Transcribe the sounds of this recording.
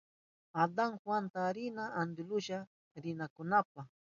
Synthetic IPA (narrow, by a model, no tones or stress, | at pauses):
ad̪aŋxwant̪aɾɪnaʔːnd̪ɪlʊʃa | ɾɪnakʊnap̚aχ